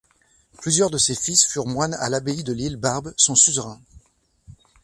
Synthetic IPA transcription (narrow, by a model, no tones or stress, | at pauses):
plyzjœʁd̪əsefisfyʁmwana̰labeid̪əlilbaʁbsɔ̃syzʁɛ̃